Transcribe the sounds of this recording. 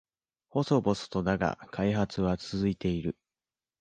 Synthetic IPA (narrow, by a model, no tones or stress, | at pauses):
ho̞so̞bo̞sɨ̥t̪o̞naɡa̰kʰaiɦat͡sɨβat͡sɨzɨit̪e̞iɾɯ̟